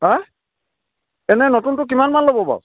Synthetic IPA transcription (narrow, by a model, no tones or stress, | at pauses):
a | ɛnɛnotuntʊk̬imanmanlobɔba̰w